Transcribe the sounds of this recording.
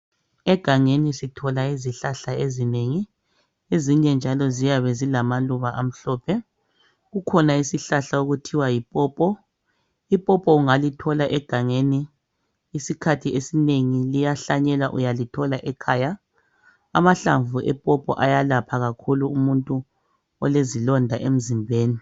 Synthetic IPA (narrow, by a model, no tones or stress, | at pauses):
ɛɡ̥ʱaŋenisitʰɔlaiziɬaɬaezineŋi | eziɲɛnd͡ʒʱalɔzijaβɛzilamaluβaʔam̩ɬɔːpʰɛ | ɣukʰɔnaisiɬaɬauɣutʰiwajipʼɔːpʼɔ | ipʼɔpʼɔuŋalitʰɔlaʔɛɡ̥ʱaŋeniː | sikʰatʰiesineŋilijaɬaɲɛlaʔṵjalitʰɔlaʔɛkʰaːja̰ː | maɬa̰ɱvuʔɛpʼɔpʼɔ̰ʔajalapʰaɣakʰuluumuntʼu | ɔlezilɔndʱaʔem̩zimbʱeːni